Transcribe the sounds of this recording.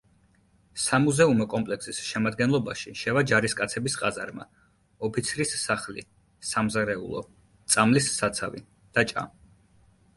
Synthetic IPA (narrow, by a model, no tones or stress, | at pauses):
samuzɛumɔkʼɔmpʼlɛksisʃɛmad̪ɡɛnlˠɔbaʃiʃɛvad͡ʒaɾiskʼat̪sʰɛbisqʼaza̰ɾma̰ | ɔpʰit̪sʰɾisːaχlḭ | samzaɾɛṵlˠɔ̰ | t̪sʼamlisːat̪sʰavḭ | d̪̥at͡ʃʼa̰